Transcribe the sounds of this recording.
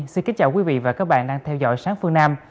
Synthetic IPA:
si˧nki˨˦nt͡ɕa̰ː˧˩wkwi˨˦vḭ˧˨vaː˨˩kaː˨˦˥k̚ɓa̰ː˧˨nɗaː˧ŋt̪ʰɛ˧wzɔ̰˧˨jsaː˨˦ŋfɨ˧əŋnaː˧m

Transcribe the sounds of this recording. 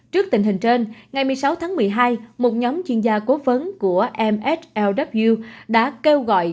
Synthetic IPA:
t͡ɕɨ˦˥k̚t̪ï˨˩ŋ̟ɦï˨˩ŋ̟t͡ɕe˧nŋa˨˩jmɨ˨˩əjsa˨˦wt̪ʰaː˨˦ŋmɨ˨˩əjɦaː˧jmo˨˩t̚ɲɔ˨˦mt͡ɕwi˧ənzaː˧ko˨˦və˨˦nku˧˩əʔɛ˧mʔɛ˦˥t̚ʔɛ˧wɗa˦˥p̚vi˧ɗa̰ː˧˥ke˧wɣɔ̰˧˨j

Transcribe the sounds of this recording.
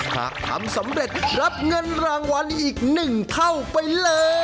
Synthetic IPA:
hʰa̰ː˨˩k̚t̪ʰa̰˨˦msa˩˦mɾe˨˩t̪̚ɾa˦˥p̚ŋɤ˧nɾaː˧ŋwa˧nʔiː˨˩k̚nɯ˨˩ŋt̪ʰa˥˩wpa˧jlɤː˧

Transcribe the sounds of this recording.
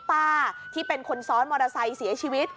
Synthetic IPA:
paː˥˩t̪ʰiː˥˩pe˧nkʰo˧nsɔː˦˥nmɔː˧ɾa˧sa˧jsi˩˦ɐt͡ɕʰiː˧wi˦˥t̪̚

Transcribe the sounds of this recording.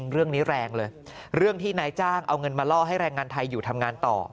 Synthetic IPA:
ŋɾɯ˥˩əŋniː˦˥ɾɛː˧ŋlɤː˧jɾɯ˥˩əŋt̪ʰiː˥˩naː˧jt͡ɕaː˥˩ŋʔa˧wŋɤ˧nmaː˧lɔː˥˩ɦa˥˩jɾɛː˧ŋːaː˧nt̪ʰa˧jːuː˨˩t̪ʰa˧mŋaː˧nt̪ɔ̰ː˨˩

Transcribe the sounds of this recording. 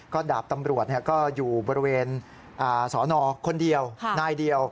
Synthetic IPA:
kɔː˥˩daː˨˩p̚t̪a˧mɾu˨˩ət̪̚ni˥˩ɐkɔː˥˩juː˨˩bɔː˧ɾi˧weː˧n | ʔaː˨˩sɔː˩˦nɔː˧kʰo˧ndi˧əwnaː˧˩jdi˧əw

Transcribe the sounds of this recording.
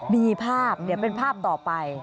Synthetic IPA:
miː˧pʰaː˥˩p̚nɯ˩˦wpe˧npʰaː˥˩p̚t̪ɔː˨˩pa˧j

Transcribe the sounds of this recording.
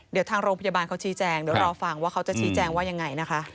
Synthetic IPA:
di˩˦wt̪ʰaː˧ŋɾoː˧ŋpʰa˧jaː˧baː˧nkʰa˦˥wt͡ɕʰiː˦˥t͡ɕɛː˧ŋdi˨˩˦wɾɔː˧fa˨˩ŋwaː˥˩kʰa˦˥wt͡ɕa˨˩t͡ɕʰiː˦˥t͡ɕɛː˧ŋwaː˥˩ja˧ŋːa˧jna˦˥kʰa˦˥ʔ

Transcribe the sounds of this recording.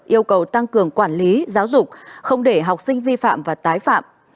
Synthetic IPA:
ʔi˧əwkə˨˩wt̪a˧ŋkɨ˨˩əŋkwaː˧˩nli˨˦zaː˨˦wzʊ˨˩k͡p̚xə˧wŋ͡mɗe˧˩ɦa˨˩wk͡p̚sï˧ŋ̟vi˧fa̰ː˧˨mvaː˨˩t̪aː˨˦jfa̰ː˧˨m

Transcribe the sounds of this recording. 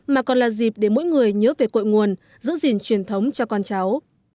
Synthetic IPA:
maː˨˩kɔ˨˩nlaː˨˩zi˨˩p̚ɗe˧˩mo̰˧˥˦jŋɨ˨˩əjɲəː˨˦ve˨˩ko̰˧˨jŋu˨˩ən | zɨ̰˧˥zi˨˩nt͡ɕwi˨˧˩ənt̪ʰə˨˦wŋ͡mt͡ɕɔ˧kɔ˧nt͡ɕa˨˦w

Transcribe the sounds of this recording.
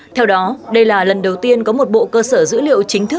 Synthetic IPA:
t̪ʰɛ˧wɗɔ˨˦ɗə˧jlaː˨˩lə˨˩nɗə˨˩wt̪i˧ənkɔ˨˦mo˨˩t̚ɓo̰˧˨kəː˧səː˧˩zɨ̰˧˥lḭ˧˨əwt͡ɕï˨˦ŋ̟t̪ʰɨ˦˥k̚

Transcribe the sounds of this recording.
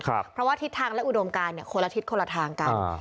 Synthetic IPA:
kʰɾa̰˧pʰɾɔ˦˥waː˥˩t̪ʰi˦˥t̪ʰːaː˧ŋlɛ˦˥ʔu˨˩do˧mkaː˧nːi˨˩ɐkʰo˧la˧t̪ʰi˦˥t̪̚kʰo˧la˧t̪ʰaː˧ŋka˧˩n

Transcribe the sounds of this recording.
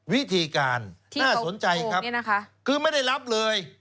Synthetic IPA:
wi˦˥t̪ʰiː˧kaː˧nʰnaː˥˩so˩˦nt͡ɕa˧jkʰɾa˦˥pn˦˥kʰa˦˥kʰɯː˧˩ma˥˩jda˥˩jla˦˥p̚lɤː˧j

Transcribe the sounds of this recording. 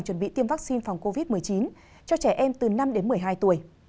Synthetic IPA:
ŋt͡ɕwə˧˩nɓḭ˧˨t̪i˧əmva˦˥k̚si˧nfa˨˩wŋ͡mko˧vi˦˥t̚mɨ˨˩əjt͡ɕi˨˦n | t͡ɕɔ˧t͡ɕɛ˧˩ʔɛ˧mt̪ɨ˨˩na˧mɗe˨˦nmɨ˨˩əjɦaː˧jt̪u˧˩əj

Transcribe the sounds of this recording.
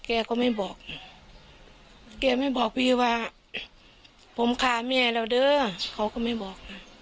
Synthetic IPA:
kɛː˧˩kɔː˧˦ma˧˩˨jbɔː˨˩k̚ | kɛː˧˩ma˧˩˨jbɔː˨˩k̚pʰi˧waː˧ | pʰo˨˧˦mkʰaː˧˩mɛː˧˨lɛː˧˨dɤː˧˨kʰa˧˦wkɔː˧˩˦ma˧˩˨jbɔː˨˩k̚na˧˩

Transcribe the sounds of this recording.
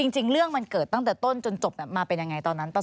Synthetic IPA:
i˧ŋt͡ɕi˧ŋɾɯ˥˩əŋma˧nkɤː˨˩t̪ːa˥˩ŋt̪ɛː˨˩t̪o˥˩nt͡ɕo˧nt͡ɕo˨˩p̚na˦˥˩maː˧pe˧nja˧ŋa˧jt̪ɔː˧nːa˦˥npa˧˩

